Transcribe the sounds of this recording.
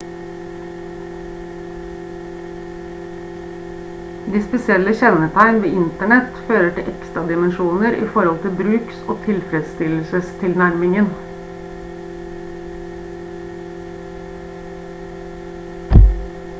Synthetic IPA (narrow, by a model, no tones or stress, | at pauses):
d̪iːspɛsɪɛləçɛnət̪ʰæɪnʋeːɪnt̪əɳɛt̪føːɾəʈɪlʔɛkst̪ɾɑd̪ɪmənʃuːnəɾḭːfɔɾhɔlt̪ʰɪlbɾʉːksoːt̪ʰɪlfɾɛd̪st̪ɪlsəst̪ʰɪlnæɾmɪŋən